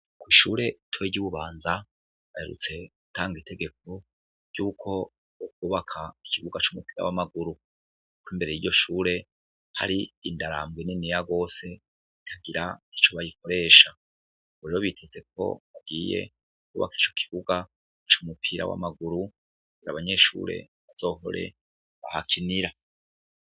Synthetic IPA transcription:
kwiːʃuːɾe̞tʰuweɟuβuβaːnza | βaheɾṵt͡se̞utaːŋɡitʰe̞ɡe̞k̚o̞ | juːkʰo̞ | ukuːβakʰai̥kiβuɡat͡ʃumupiːɾa̰wamaɡuɾu | kwimbe̞ɾe̞jiɟo̞ʃuːɾe̞ | ha̰ɾiindaɾa̰mbɡweninijaɡo̞ːse̞ | itʰaɡiɾai̥t͡ʃo̞βajikʰo̞ɾe̞ːʃa | βuɾeɾoβitʰeze̞k̚o̞̰βab̚ɡiːje̞̰ | ukuːβa̰ki̥t͡ʃo̞̥kʰi̥βuɡa | t͡ʃumupʰiɾa̰wa̰maɡuɾu | aɡiɾaβaɲe̞ʃṵːɾe̞̰ | βaz̥o̞ːɦo̞̰ɾe̞̰ | βa̰hakʰiniɾa

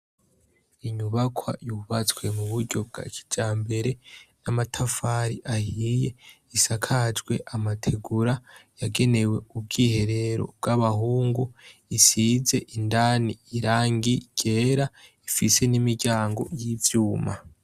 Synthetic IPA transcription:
iɲuβakʰwa̰juβat͡swe̞muβuɾɟo̞b̚ɡa̰kʰi̥d͡ʒaːmbe̞ɾe̞namatʰafaɾiʔahije̞ | isakʰad͡ʒɡwe̞ʔamatʰe̞ɡuɾajaɡe̞ne̞we̞ub̚ɡiːhe̞ɾe̞ɾo̞̰b̚ɡ̥aβaɦuːŋɡuisize̞ʔindaːniːɾaːŋɡiɟ̥e̞ːɾaifise̞nimiɟaːŋɡo̞̰jivjuːma̰

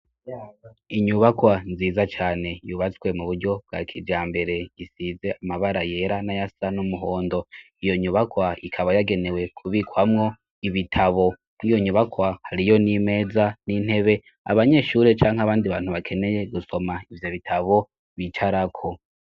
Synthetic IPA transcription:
iɲuβakwanziːzat͡ʃaːne̞juβat͡swe̞muβuɾɟo̞b̚ɡa̰kʰid͡ʒaːmbe̞ɾe̞isize̞amaβaɾaje̞ɾanajasanumuɦo̞ːndo̞ijo̞ɲuβakwaikʰaβajaɡe̞ne̞we̞kʰuβikwamŋo̞ | iβitʰaβo̞ | nijo̞ɲuβakwahaɾijo̞nime̞ːzanin̥he̞βe̞ | a̰βaɲe̞ʃuːɾet͡ʃaːŋhaβaːndiβaːn̥huβakʰe̞ne̞je̞ɡuso̞maivjo̞βitʰaβo̞ | βit͡ʃaɾakʰo̞

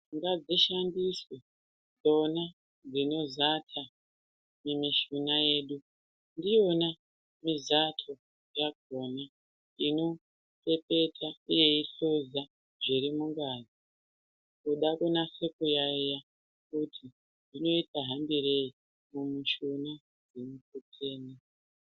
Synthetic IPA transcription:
ŋɡad͡ziʃandiswe | d͡zo̞na | d͡zino̞zatʰa | memiʃunaje̞ːɗu | ndio̞na | mizatʰo̞ | jaɡʱoːna | ino̞ | pe̞pe̞tʰauje̞iɬuza | ʐiɾimuŋɡaːzi | kuɗakunasekujaija | kutʰi | ndino̞itaɦambiɾei | mumiʃuna | d͡zinukut͡sʰeːne

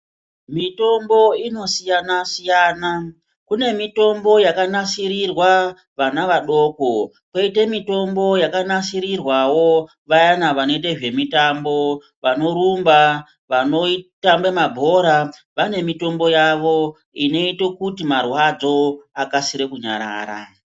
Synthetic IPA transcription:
mito̞mbo̞ino̞sijanasijaːna | kune̞mito̞mbo̞jakanasirirwa | ʋanaʋaɗo̞ko̞ | kwe̞ite̞mito̞mbo̞jakanasiɾirwawo̞ | ʋajanaʋano̞it̬eʒwe̞mitambo | ʋano̞ɾumba | ʋano̞itambemabʱo̞ɾa | ʋane̞mito̞mbo̞jaʋo̞ | ino̞itokutimarwad͡zo̞akasiɾekuɲa̰ɾa̰ːɾa̰

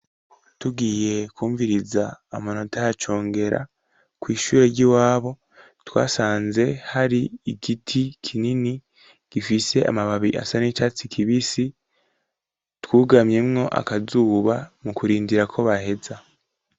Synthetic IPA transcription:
tuɡiːje̞kwuːɱviɾizaːmano̞tʰajat͡ʃo̞ːŋɡe̞ɾa̰ | kwiːʃuːɾeɾɟiwaːβo̞ | twa̰ːsaːnze̞haɾiikitʰikʰinini | ɡ̥ifise̞ʔa̰maβaβiʔa̰sanit͡ʃat͡sikʰiβisi | twuːɡamɲemŋo̞ʔa̰kazuːβamukuɾiːndiɾakʰo̞βahe̞za

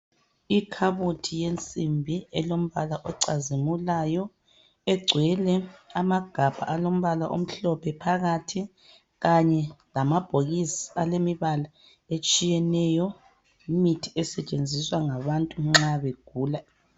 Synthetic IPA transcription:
ikʰaβutʰijent͡sʼimbʱiɛlom̩βalaʔɔǀazimulajɔ | ɛɡ͡ǀʱwɛlɛamaɡ̥ʱab̥ʱa̰ʔalom̩βalaʔo̰m̩ɬɔpʰɛpʰaɣatʰi | ɣaɲɛlamab̥ʱoɣisialemiβala | et͡ʃʼijɛnɛjɔ | imitʰiɛsɛt͡ʃʼend͡zʱiswaŋaβantʼuŋ͡ǁaβeɡ̥̚ʱuːla

